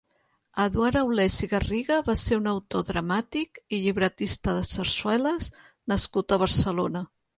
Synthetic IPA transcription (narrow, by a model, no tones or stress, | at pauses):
əðwaɾəwlɛziɣəriɣəβaseunəwt̪oðɾəmat̪ikiʎiβɾət̪ist̪əðəsəɾswɛləs | nəskut̪əβ̞əɾsəlonə